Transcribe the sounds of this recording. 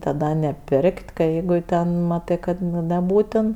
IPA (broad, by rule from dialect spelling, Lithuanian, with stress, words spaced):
tɐˈdɐ nʲɛˈpʲɪrʲkʲtʲ kɐ ˈjɛɪɡʊ tʲɛn ˈmɑːtɜ kɐt ˈnʊ nʲɛˈbuːtʲɪn